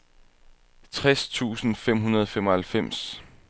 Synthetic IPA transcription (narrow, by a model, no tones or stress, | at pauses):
t͡sʰʁɛst͡sʰṵːsn̩fem̰ɦunɐð̞ˠfemɒhælfem̰s